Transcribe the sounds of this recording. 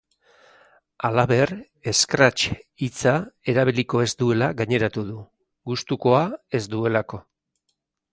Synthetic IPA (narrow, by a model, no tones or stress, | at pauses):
alaβe̞r | e̞skɾat͡ʃit͡sae̞ɾaβ̞iliko̞e̞zd̪ue̞laɣaɲe̞ɾat̪uðu | ɡust̪uko̞ae̞zd̪ue̞lako̞